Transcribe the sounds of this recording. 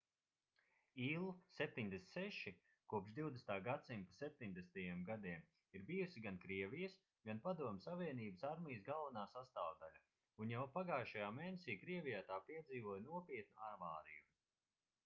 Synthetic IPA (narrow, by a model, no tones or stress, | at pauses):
iːlˠusep̚t̪iɲd̪esʲt̪sɛʃi | kuɔpʒd̪iwd̪est̪aːɡat̪simpasep̚t̪iɲd̪est̪ajɛmɡad̪iɛm | iɾbijusiɡankɾiɛvijəs | ɡanpad̪uɔmʲsaviɛniːbəsaɾmʲijsɡalˠvanaːsast̪aːvd̪ala | unjawpaɡaːʃajaːmejnesiːkɾiɛvʲijaːt̪aːpiɛd̪ziːvuɔjnuɔpiɛt̪̚nuaɾmaːɾiju